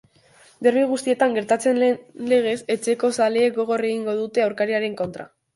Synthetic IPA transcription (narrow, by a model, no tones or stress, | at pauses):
d̪e̞rβiɣ̞ust̪ie̞t̪aŋɡe̞ɾt̪at͡se̞nle̞ɣ̞e̞se̞t͡ʃe̞ko̞saleːk̚ɡo̞ɣ̞o̞re̞ɣiŋɡo̞ð̞ut̪e̞awɾkaɾiaɾe̞ŋko̞nt̪ɾa̰